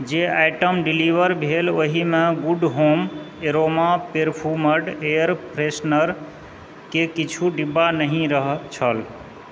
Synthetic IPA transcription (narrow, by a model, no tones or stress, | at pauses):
d͡ʒeajʈəmɖiliʋəɾbʱeloɦimeɡuɖɦomeɾomapeɾpʰoɾməɾɖejəɾpɾesnəɾ | kekit͡ʃʰuɖibːanəɦĩɾəɦt͡ʃʰəl